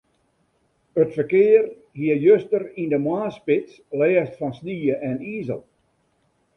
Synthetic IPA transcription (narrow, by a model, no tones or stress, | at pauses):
ətfərkɪːər | hiəjøstərindəmwaːspɪs | lɛːstfɔnsniːəʔɛniːzəlˠ